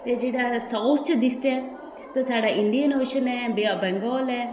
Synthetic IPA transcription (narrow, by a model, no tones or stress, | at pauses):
t̪ed͡ʒeːɽaːsaʊt̪ʰt͡ʃəd̪ɪkʰt͡ʃɛː | t̪əsaːɖaːʔɪɳɖijənoːʃənɛːbeabɛ̃ŋɡɔːlɛː